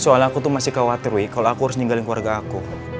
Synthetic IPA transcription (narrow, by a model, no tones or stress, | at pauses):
soalakut̪ʊmasɪhkawat̪iɾuikaloakuɦaɾʊsniŋɡalɪnkua̰rɡaːku